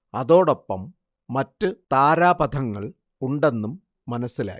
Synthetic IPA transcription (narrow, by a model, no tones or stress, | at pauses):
ɐðo̞ːɽo̞pːɐmː | ɐtːɨt̪aːɾaːbɐd̪ʰʱɐŋːɐɭ | uɳɖe̞nːumː | ɐnɐsːila̰ːji